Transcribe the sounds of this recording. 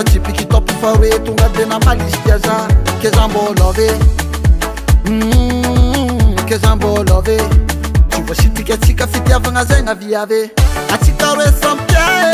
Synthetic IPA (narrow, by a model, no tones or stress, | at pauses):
at͡ʃipikit̪ɔpifaɾwet̪uŋɡat̪enamalist̪iazakezambɔlɔve | kezambɔlɔve | t͡ʃuvaʃit̪ikʲat͡sikʲəfit̪avaŋazajŋaviaveat͡sikaɾwesãmka